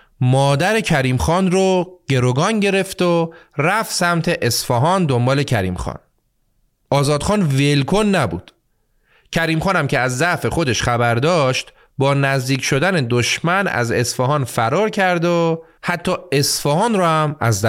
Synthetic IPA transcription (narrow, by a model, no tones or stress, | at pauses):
mɒːd̪æɾe̞cʰæɾiːmxɒːnɾoɟ̥e̞ɾoɡɒːnɟe̞ɾe̞ft̪oræfsæmt̪ʰe̞ʔesfɒːɦɒːnd̪o̞mbɒːle̞cʰæɾḭːmxɒ̰ːn | ʔɒːzɒːd̪̥χxɒːnvelkʰonːæbṵːd̪̥ | cʰæɾiːmχɒːnæmcʰe̞æzːæʔfe̞xo̞d̪e̞ʃxæbæɾd̪ɒːʃt̪ | bɒːnæzd̪iːcʰʃo̞d̪æne̞d̪oʃmænæ̰ze̞sfɒːɦɒːnfæɾɒːɾcʰæɾd̪o | hæt̪ʰːɒːe̞sfɒːhɒːnɾɔːhæmæ̰zd̪æ